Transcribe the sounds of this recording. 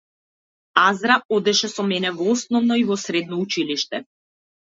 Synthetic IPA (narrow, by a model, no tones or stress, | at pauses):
azɾaɔd̪ɛʃɛsɔmɛnɛvɔɔsnɔvnɔivɔsɾɛd̪nɔut͡ʃiliʃt̪ɛ